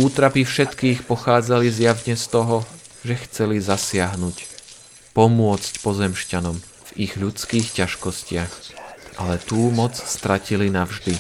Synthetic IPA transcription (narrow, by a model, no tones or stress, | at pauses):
uːt̪ɾapifʃɛt̪kiːxpɔxaːd͡zalizjaʋɲɛst̪ɔɦɔ | ʒɛxt͡sɛlizasɪaɦnuc | pɔmʊɔt͡scpɔzɛmʃcanɔm | v̥iɣʎut͡skiːxcaʃkɔscɪaxʔalɛt̪uːmɔt͡sst̪ɾacilinavʒd̪i